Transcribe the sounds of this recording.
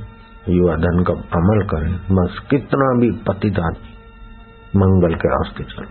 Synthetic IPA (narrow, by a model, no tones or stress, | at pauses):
juʋad̪ʱənkapɐməlkɐɾẽmɐskɪt̪nabʱipɐt̪ɪd̪aː | mə̃ŋɡəlkea̰ːst̪et͡ʃɐ̰l